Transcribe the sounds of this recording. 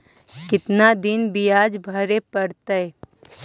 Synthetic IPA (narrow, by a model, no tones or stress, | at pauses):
kɪt̪nad̪ɪnbijaːd͡ʒbʱɐɾepəɽt̪əe